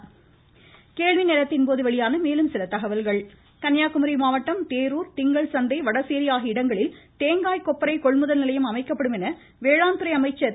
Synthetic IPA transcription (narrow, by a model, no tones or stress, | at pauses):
keːɻʋɪnɛlɐt̪ːɪnpoːðɯʋɛɭɪjaːnɐmeːlɯmsɪlɐt̪ɐɣɐʋɐlɣɐɭ | kɐnjaːkɯmɐɾimaːʋɐʈːɐmt̪eːɾuːɾt̪ɪŋɡɐɭsɐnd̪ɐɪʋɐɽɐseːɾɪjaːɣiɪɽɐŋɡɐɭɪlt̪eːŋɡaːjkɔpːɐɾɐɪkɔɭmɯðɐlnɪlɐjɯmɐmɐɪkːɐpːɐɽɯmɛnɐ | ʋeːɻaːnd̪ɯɾɐɪɐmɐɪt͡ʃːɐɾ